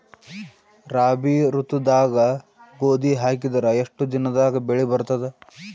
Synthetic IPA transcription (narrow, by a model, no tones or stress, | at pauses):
ɾaːbiɾut̪ud̪aːɡɐɡoːd̪iɦaːk̬id̪ɐɾɐeʂʈud̪inɐd̪aːɡɐbeɭibɐɾt̪ɐd̪e